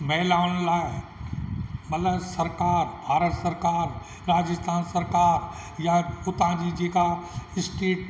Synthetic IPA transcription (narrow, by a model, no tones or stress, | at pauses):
mɛɦlaːʊnlaːɪ | mɐt̪ləbsɐɾkaːɾbʱaːɾət̪səɾkaːɾ | ɾaːd͡ʒɪst̪ʰaːnsɐɾkaːɾ | jaʊt̪ãd͡ʑid͡ʒeːkaɪsʈeːʈ